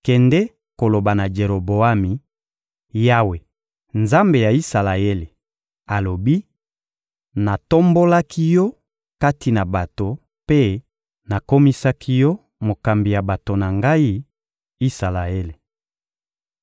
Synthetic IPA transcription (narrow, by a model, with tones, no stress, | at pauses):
kɛ˨ndɛ˦ | ko˨lo˨ba˨na˨d͡ʒe˨ɾo˨bo˨a˦mi˨ | ja˦we˨ | nza˦mbe˨ja˨i˦sa˨la˨e˦le˨ | a˨lo˨bi˦ | na˨to˦mbo˦la˦kʰi˦jɔ˦ | ka˦ti˨na˨ba˨to˨ | pe˦ | na˨ko˦mi˦sa˦kʰi˦jɔ˦ | mo˨ka˨mbi˨ja˨ba˨to˨na˨ŋɡa˦i˦ | i˦sa˨la˨e˦le˨